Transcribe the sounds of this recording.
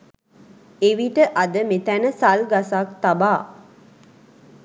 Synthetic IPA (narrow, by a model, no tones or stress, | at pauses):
eʋiʈəʔad̪əmet̪ænəsalɡasak̚t̪abaː